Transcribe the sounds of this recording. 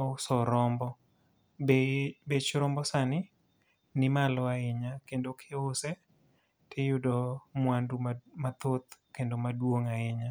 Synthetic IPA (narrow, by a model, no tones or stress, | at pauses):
sɔɾɔmbɔ | bebet͡ʃɾɔmbɔsanɪ | nɪmalɔaɪɲakendokʰɪose | tʰɪjʊdɔmwandumat̪ot̪kendomadwoŋaɪɲa